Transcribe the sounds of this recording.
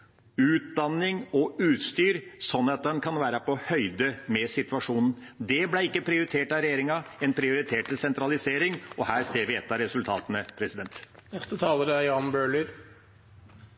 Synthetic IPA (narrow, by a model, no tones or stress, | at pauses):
ʉːt̪̚d̪ɑnːɪŋɔʉːt̪st̪yːɾsɔnːɑt̪̚d̪ɛnkʰɑnʋæːɾəpʰɔhœʏd̪əmɛsɪt̪ʋɑʂuːnn̩ | d̪ɛblæɪkːəpʰɾɪʊɾɪt̪ʰeːʈɑɾɛjeːɾɪŋɑɛnpʰɾɪʊɾɪt̪ʰeːʈ̪ːɪlsɛnt̪ɾɑlɪseːɾɪŋɔhæːɾseːɾʋɪɛt̪ːɑɾɛsʉlt̪ʰɑ̰ːt̪ənəpʰɾɛsɪd̪ɛnt̪nɛst̪ət̪ʰɑːləɾəæjɑːnbøːɭʏɾ